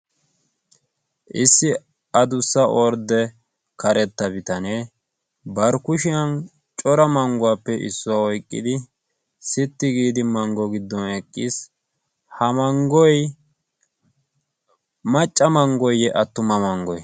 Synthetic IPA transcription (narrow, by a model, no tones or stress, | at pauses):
ʔɪsːɪ | ɐd̪ʊsːɐʔɔɾd̪ɛ | kɐɾʔɛt̪ːɐbɪt̪ɐne | bɐɾkʊʃɪjɐn | t͡ʃʼɔɾɐmɐŋɡʊwapːɛʔɪ̰sːʊwaɔjkʼːɪ̰d̪ɪ | sɪt̪ːɪɡiːd̪ɪmɐŋɡɔɡɪd̪ːɔnɛkʼːis | hɐmɐŋɡɔj | mɐt͡ʃʼːɐmɐŋɡɔjɛʔɐt̪ːʊmɐmɐŋɡɔj